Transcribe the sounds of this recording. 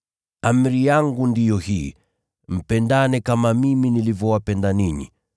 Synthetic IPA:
am̩ɾijaŋɡundijɔhiː | m̩pɛndanɛkamamiminilivjɔwapɛndaninḭ

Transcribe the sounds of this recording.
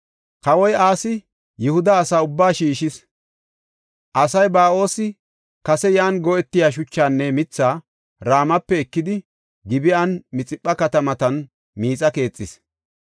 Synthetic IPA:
kɐwɔjaːsɪ | jɛhʊd̪ɐːsaːʊbːaːʃiːʃɪs | ʔɐsɐjbaːo̞ːsɪ | kɐsɛjaːnɡɔɛt̪ːɪjaːʃ̬ʊt͡ʃːaːnːɛmɪt͡sːaː | ɾaːmɐpːɛɛkːɪd̪ɪ | ɡɪbɪɐnmɪt͡sʼɪpʼːɐkɐt̪ɐmɐt̪ɐn | miːt͡sʼɐke̞ːt͡sʼːɪs

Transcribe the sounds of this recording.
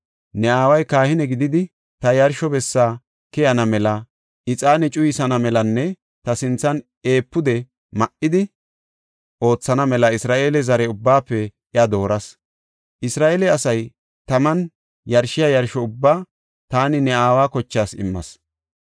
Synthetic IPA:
nɛaːwɐjkaːhɪnɛɡɪd̪ɪd̪ɪ | t̪ɐjɐɾʃɔbɛsːaː | kɛjɐnɐmɛlɐ | ʔɪt͡sʼaːnɛt͡ʃʼʊjɪsɐnɐmɛlɐnːɛ | t̪ɐsɪnt͡sːɐn | e̞ːpːʊd̪ɛ | mɐʔːɪd̪ɪ | ʔo̞ːt͡sːɐnɐmɛlɐɪsɾaːʔe̞ːlɛzɐɾɛʊbːaːpːɛʔɪad̪o̞ːɾɐs | ʔɪsɾaːʔeːlɛɐsɐj | t̪ɐmɐn | jɐɾʃɪjajɐɾʃɔʊbːaː | t̪aːnɪnɛaːwaːkɔt͡ʃːaːsɪ̰mːɐ̰s

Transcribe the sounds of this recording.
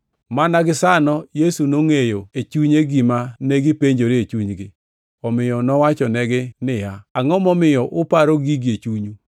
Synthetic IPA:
manaɡɪsanɔjesunoŋejoet͡ʃuɲeɡimaneɡɪpeɲd͡ʒoɾɪet͡ʃuɲɡɪ | ɔmɪjɔnɔwat͡ʃɔnɛɡɪnɪhaaŋɔmɔmɪjɔʔʊpaɾoɡiɡet͡ʃuɲu

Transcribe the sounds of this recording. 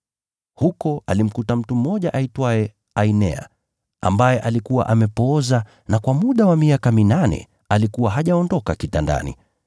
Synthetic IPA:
hukɔalim̩kutam̩tum̩ːɔʄaʔaitwaɛ | ainɛ̰a̰ | a̰mbajɛʔalikuwa̰ʔamɛpɔza | nakwamuɗawamiakaminanɛ̰ | alikuwaɦaʄaɔndɔkakitanda̰nḭ

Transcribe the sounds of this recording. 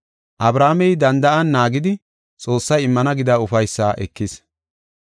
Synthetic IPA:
ʔɐbɾaːmɛjd̪ɐnd̪ɐʔɐnːaːɡɪd̪ɪ | t͡sʼo̞ːsːɐjɪmːɐnɐɡɪd̪ɐːʊfɐjsːaːʔɛ̰kːɪs

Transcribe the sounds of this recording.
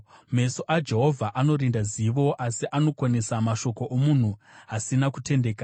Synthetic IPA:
me̞so̞ʔad͡ʒe̞ɦo̞vʱaʔano̞ɾindaziʋo̞ʔasiʔano̞kwane̞samaʃo̞ko̞ʔomun̤uɦasinakute̞ndeːka

